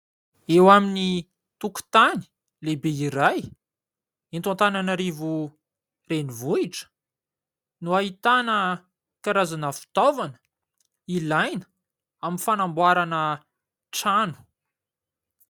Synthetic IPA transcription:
ewamini | t̪uku̥t̪ani̥ | lebeiɾaj | int̪ant̪ananaɾivu | renivuiʈ͡ʂə̥ | nuaɦit̪anə | kaɾazanəfi̥t̪ovanə̥ | ilajnə̥ | aminfanambwaɾanə | ʈ͡ʂanu̥

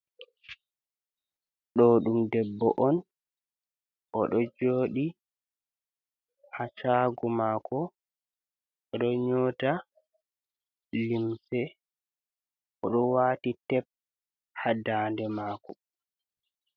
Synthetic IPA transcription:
ɗɔɗumdɛbːɔʔɔn | ʔɔɗɔd͡ʒoːɗi | hat͡ʃaːɡɔmakɔ | ɗɔɲoːta | limsɛ | ʔɔɗɔwaːtitɛp̚ | hadaːndɛmaːkɔ

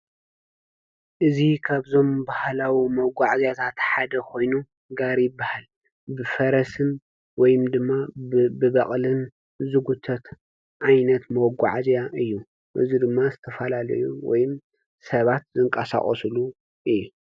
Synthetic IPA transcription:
ʔɨzikʰaβzo̞mbahlawimɐɡʷaʕzjat̪ʰat̪ħad̪ɐkʰo̞jnu | ɡaɾjɪbːahal | bɨfɐɾɐsɨn | wɔjɨmd̪ɨmːabɨβɐχʼlɨn | zɨɡut̪ʰɐt̪ | ʕajnɐt̪mɐwɔɡʷa̰ʕzjaʔɨjːu | ʔɨ̰zid̪ɨmːazɨt̪ʰɐfɐlalɐ̰juwɔ̰jɪm | sɐβat̪zɨŋkʼɐsa̰χʼɔ̰slu | ʔɨjːu

